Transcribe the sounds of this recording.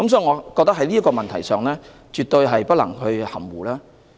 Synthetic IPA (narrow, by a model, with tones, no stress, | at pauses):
kɐ˦˥msɔː˨˥i˨˩ŋɔː˨˧kɔː˧k̚t̪ɐ˥khɐ˥liː˥kɔː˧mɐ˨nt̪ʰɐ˨˩jsœː˨˩ŋlɛː˥ | t͡ʃyː˨t̪ɵ˧ɥɦɐ˨jpɐ˥t̚lɐ̰˨˩ŋhɵ˧ɥhɐ̰˨˩mwuː˨˩laː˥